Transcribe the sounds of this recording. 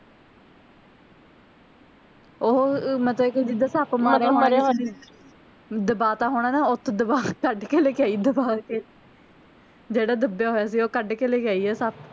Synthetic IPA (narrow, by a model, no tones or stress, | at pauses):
oːmət̪ləbked͡ʒɪd̪aːsəpmaːɾaːɦoɾeːne | d̪əbaːt̪ãːɦoːɽ̃aːnaːʊt̪ʰːd̪əbaːkəɖkeːleːkɪaːiːd̪əbaːkeː | d͡ʒeːɽaːd̪əbjaːɦoːjaːs̬iːoːkəɖkeːleːkɪaːiːɛːsəp̚